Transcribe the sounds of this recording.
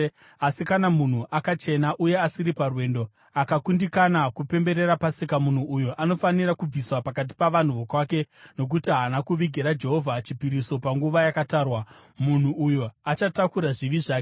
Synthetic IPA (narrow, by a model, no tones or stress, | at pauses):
asikanamun̤uʔakat͡ʃe̞naʔuje̞asiɾiparwe̞ːndo̞ | akakundikanakupe̞mbe̞ɾe̞ɾapasikamun̤uːjoʔano̞fanirakub͡viswapakat̬i̥paʋan̤uʋo̞kwaːke̞no̞k̬utiɦanakuʋiɡʱeɾad͡ʒe̞ɦo̞vʱat͡ʃipiɾiso̞paŋɡuʋajakataːrwa | mun̤uʔujoat͡ʃatakuɾaʐiʋiʐaːke